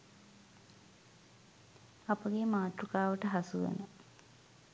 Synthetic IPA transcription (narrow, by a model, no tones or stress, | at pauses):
apəɡemaːʈ̪ɾukaːʋəʈəɦɐsuʋə̰nə